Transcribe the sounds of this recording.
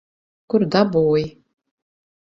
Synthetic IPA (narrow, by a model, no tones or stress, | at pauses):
kʊrd̪abuwj